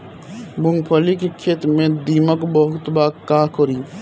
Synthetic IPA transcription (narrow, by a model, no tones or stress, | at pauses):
bʊ̃ŋɡpʰəlikekʰeːt̪ɾmẽd̪iːməkbəɦʊt̪baːkaːkɔɾiː